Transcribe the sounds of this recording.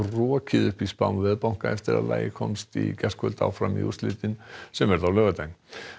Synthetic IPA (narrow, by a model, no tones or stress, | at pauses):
rɔːcʰɪðʏhpispanvɛðpawŋ̥kaɛft̪ɪɾa̰ðla̰ːjɪkʰɔmst̪ḭcɛskʰœlt̪a̰wfɾamḭṵst̪lɪːt̪ɪnsɛmvɛɾðawlœːvat̪ajn